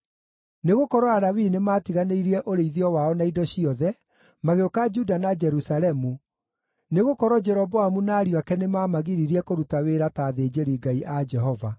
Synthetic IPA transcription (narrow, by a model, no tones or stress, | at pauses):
neɣokɔɾɔaɾawinemaːtiɣaneiɾiɛʔoɾeiðiɔwaɔnaidɔɕiɔðɛ | maɣeokad͡ʒudanad͡ʒɛɾusalɛmu | neɣokɔɾɔd͡ʒɛɾɔbɔamunaːɾjwakɛnemaːmaɣiɾiɾiɛkoɾutaweɾataːðeːd͡ʒeɾiɡaiʔad͡ʒɛɦɔva